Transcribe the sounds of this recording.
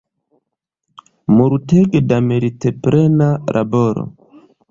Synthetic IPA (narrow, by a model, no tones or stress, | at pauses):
muɾutɛɡedameɾitɛpɾʔɛnaɾʔa̰bɔɾɔ̰